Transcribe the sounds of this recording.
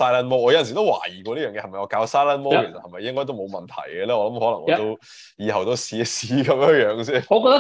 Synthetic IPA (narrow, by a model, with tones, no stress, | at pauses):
saː˥jlaː˥nmɔː˥ɔː˨˧jɐ˨nsi˨˩t̪o˥wa̰ː˨˩jiː˨˩kʷɔː˧niː˥jœː˨ŋjɛ˧hɐ˨˩mɐ˨jɔː˨˧kaː˧wsaː˥jlaː˥nmo˥˨ke˨˩sɐt̚hɐ˨jmɐ˨jɪ˥ŋkɔ˥jt̪o˥wmo˨˧wmɐ˨nt̪ʰɐ̰˨˩jɡɛ˧lɛː˥ɔː˨˧lɐ˨˥mɦɔː˨˥lɐ˨˩ŋʔɔ̰ː˧˨˧t̪o˥ | jiː˧hɐ˨˩wt̪o˥wsiː˨˥siː˨˥kɐ˨˦mjə˥jœː˨˧˥ŋsiː˥nɔ˨˧kɔː˧t̪